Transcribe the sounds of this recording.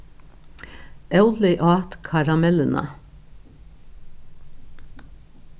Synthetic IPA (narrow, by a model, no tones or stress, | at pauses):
ʔɑʉlɪʔɑːt̪kʰɑɾɑmɛlənʔə̰